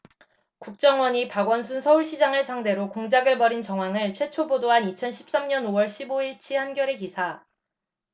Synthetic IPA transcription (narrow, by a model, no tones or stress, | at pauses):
kuk̚t͡ɕ͈ʌŋwʌɲipaɡwʌns̬ʰunsʰʌuɭɕ͈ʰid͡ʑaŋɯɭsʰaŋde̞ɾokoŋd͡ʑaɡɯɭpʌɾint͡ɕʌŋɦwaŋɯɭt͡ɕʰwe̞t͡ɕʰobodoɦanit͡ɕʰʌnɕʰi̥p̚s͈amɲʌnowʌɭɕʰiboiɭt͡ɕʰihanɡjʌɾe̞kisʰa